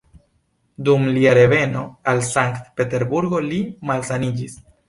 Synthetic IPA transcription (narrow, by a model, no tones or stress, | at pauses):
dumliaɾe̞ve̞no̞alsaŋktpe̞te̞ɾbuɾɡo̞limalsanid͡ʒis